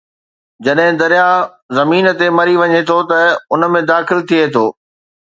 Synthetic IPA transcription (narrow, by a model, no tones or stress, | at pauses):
d͡ʑɐɗɦɪ̃d̪ɐɾija | zɐmiːn̆t̪emɐɾiʋɐɲet̪ʰot̪ɐʊnə̆mẽd̪aːxɪlt̪ʰiet̪ʰoː